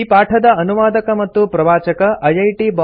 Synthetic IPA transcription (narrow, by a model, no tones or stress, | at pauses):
iːpaːʈʰɐd̪ɐɐnuʋaːd̪ɐkɐmɐt̪ːupɾɐʋaːt͡ʃɐkɐʔɐjɐjʈiːbɔ